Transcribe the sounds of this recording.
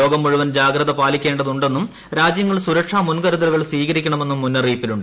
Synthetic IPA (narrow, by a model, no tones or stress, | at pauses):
o̞ːɡɐmːuɻuʋɐnd͡ʑaːɡɾɐðɐpaːlikʲːe̞ːɳɖɐðuɳɖe̞nːum | ɾaːd͡ʑjɐŋːɐɭsuɾɐkʂaːmunkɐɾuðɐɾuɣɐɭsʋiːɣɐɾikʲːɐɳɐme̞nːumːunːɐriːpːiluɳɖɨ